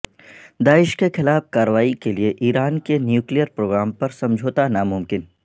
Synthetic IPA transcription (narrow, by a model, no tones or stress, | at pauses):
d̪aːɪʃkexɪlaːfkaːɾəʋaːikelieʔiːɾaːnkenjuːklijəɾpɾoːɡɾaːmpɐɾsɐ̃md͡ʒʱoːt̪anamʊmkɪn